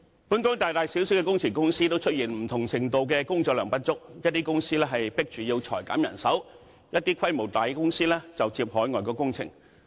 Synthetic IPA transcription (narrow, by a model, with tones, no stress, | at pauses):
puː˨˥nkɔː˥ŋt̪aː˨jt̪aː˨jsi˨˥wsiː˨˥wkɛ˧kʊ˥ŋt͡sʰɪ˨˩ŋkʊ˥ŋsiː˥t̪o˥wt͡ʃʰɵ˥t̚jiː˨˩nm̩˨˩t̪ʰʊ˨˩ŋt͡sʰɪ˨˩ŋt̪o˨wkɛː˧kʊ˥ŋt͡sɔː˧k̚lœː˨˩ŋpɐ˥t̚t͡sʊ˥k̚jɐ˥t̚t̪iː˥kʊ˥ŋsiː˥lɛː˥ɦɐ˨jpɪ˥k̚t͡ʃyː˨jiː˧wt͡ʃʰɔ̰ː˨˩jka̰ː˨˥mjɐ˨˩nsɐ˨˥w | jɐ˥t̚t̪iː˥kʰɐ˥jmo˨˩wt̪aː˨jkɛ˧kʊ˥ŋsiː˥lɛː˥t͡sɐ˨wt͡siː˧p̚hɔː˨˥jŋɔː˨jkɔː˧kʊ˥ŋt͡sʰɪ̰˨˩ŋ